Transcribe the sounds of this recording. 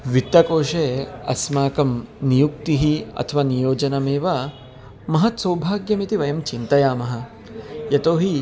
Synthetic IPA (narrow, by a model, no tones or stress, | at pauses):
ʋit̪ːɐkoːʃeːɐ̰smaːkɐmnijuk̚t̪iɦiɐ̰t̪ʰɐʋaːnijoːd͡ʒɐnɐmeːʋɐ | mɐɦɐt̪sɐwbʱaːɡjɐmit̪iʋɐjɐmt͡ʃint̪ɐjaːmɐɦɐ̆ | jɐt̪oːɦi